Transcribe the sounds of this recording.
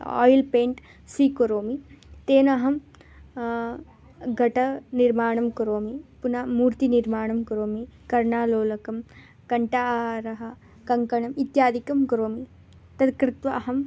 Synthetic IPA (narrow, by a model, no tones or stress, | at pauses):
ɔ̰ːjlpeːɳʈ | siːkoɾoːmit̪eːnɐɦɐm | ɡɐʈɐniɾmaːɳɐmkɐɾoːmipunɐmuːɾt̪iniɾmaːɳɐmkɐɾoːmikɐɾɳaːloːlɐkɐm | kɐɳʈaɾɐɦɐ | kɐŋkɐɳɐmit̪jaːd̪ikɐmkɐɾoːmi | t̪ɐd̪kɾɪt̪ʋɐɐɦɐm